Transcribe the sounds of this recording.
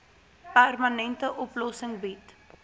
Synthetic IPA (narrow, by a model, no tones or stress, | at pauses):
pærmənɛntəʔɔplɔsəŋbit